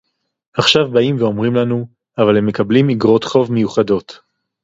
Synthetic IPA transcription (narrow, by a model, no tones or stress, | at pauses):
aχʃavbaimveo̞mʁimlanu | avale̞mːe̞kablimiɡʁo̞t̪χo̞vmejuχado̞t